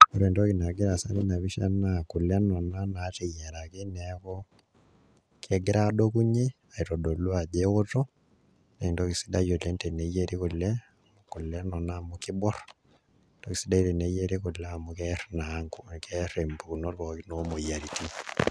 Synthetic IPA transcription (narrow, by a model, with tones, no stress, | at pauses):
o˦ɾe˨ndo˦ki˨na˨ɡɪ˦ɾa˨sa˦ɾi˦na˨βi˦ʃa˦na˨ku˨la˦nɔ˨na˦na˨˦ti˨jɛ˨ɾa˨ki˦nɛ˨kɔ˦ | kʰɛ˦ɡɪ˦ɾa˦do˦ku˦ɲe˦ | a˨i˨to˨do˨lu˦a˨d͡ʒe˦wo˦to˦ | nɛ˨i˨ndo˦ki˨si̥˦da˦jo˨le˦nte˨ne˨je˦ɾi˦ku˨lɛ˦a˨mu˨ku˨lɛ˦nɔ˨na˦˨mu˦kɪ˦bɔ˦r | do˦ki˨si˦da˦i˦te˨ne˨˦je˦ɾi˦ku˨lɛ˦a˨mu˦kɛ˦rna˨˦ŋku˦˨kɛ˦ɾe˨mbu˨ku˨no˦ɾkɔ˨kno˦mo˨ja˨ɾi˨ti˦